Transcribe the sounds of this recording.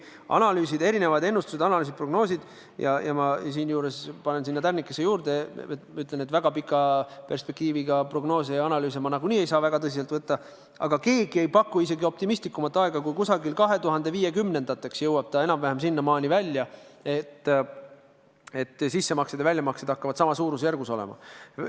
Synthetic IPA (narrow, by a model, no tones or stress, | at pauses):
ɑ̰nɑlyːsid̪e̞ɾine̞vɑd̪e̞nːust̪us̬ed̪ɑnɑlyːs̬it̪pro̞ɡno̞ːsid̪̥ | jɑjɑmɑs̬iːnjuːɾe̞spɑne̞nsinːɑt̪ærnikːˑesejuːɾd̪̥e̞eyt̪ːˑlenet̪væɡ̥ɑpikːˑɑpe̞rspe̞kt̪iːviɡ̥ɑpro̞ɡ̥no̞ːs̬ejɑnɑlyːs̬emɑnɑɡ̥uniːe̞jsɑːvæɡ̥ɑt̪ɤs̬is̬elt̪vɤt̪ːɑ | ɑ̰ɡ̥ɑke̞ːɡ̥ie̞jpɑkːˑuise̞ɡio̞p̚t̪imist̪likːˑumɑt̪ːˑɑeɡ̥ɑkujkusɑɡilkɑɦe̞t̪uɦɑnd̪e̞viːje̞kymne̞nd̪̥ɑt̪ːˑe̞ksjɤwɑb̥̚t̪ɑenɑmvæhemsinːɑmɑːnʲivælʲːjɑe̞t̪ː | e̞t̪ːsisːe̞mɑksed̪̥evælʲjɑmɑksed̪ɑkːɑvɑd̪sɑmɑsuːɾusjærɡ̥uso̞lḛmɑ̰